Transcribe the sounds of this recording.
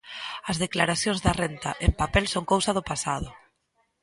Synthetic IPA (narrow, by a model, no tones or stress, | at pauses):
ɐzðeklaɾaθjoŋzðɐrent̪a̰ʔempapɛlsoŋkowsɐð̞ʊpasaðʊ